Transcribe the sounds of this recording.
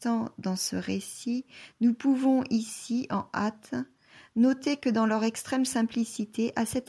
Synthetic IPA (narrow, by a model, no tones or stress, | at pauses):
t̪ɑ̃d̪ɑ̃sə̰ʁesinupuvɔ̃ʔisiʔɑ̃ʔat̪ | nɔt̪ekəd̪ɑ̃lœʁɛkst̪χɛmsɛ̃plisit̪ʰeʔasɛt̪